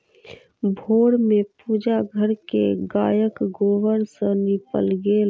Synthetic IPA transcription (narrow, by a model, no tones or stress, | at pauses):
bʱoːɽmẽpuːd͡ʒaɡʱəɾkḛɡaːjəkɡoːʋəɾsə̃nɪpə̰lɡel